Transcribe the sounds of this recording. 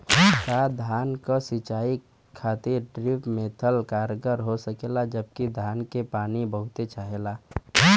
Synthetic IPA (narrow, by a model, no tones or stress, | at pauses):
kad̪ʱaːnkasit͡ʃaːi | kʰaːt̪iɾɖɾipmet̪ʰəlkaːɾɡəɾɦosəkelad͡ʒəb̚kid̪ʱaːnkepaːnibəɦʊt̪et͡ʃaːɦela